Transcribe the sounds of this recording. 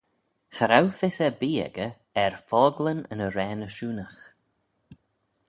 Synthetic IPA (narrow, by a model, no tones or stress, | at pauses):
xəɾawfɪsɛbiːɛ̰ɡə | ɛɹfɔːɡlənə̰nəɾɛːnəʃuːnəx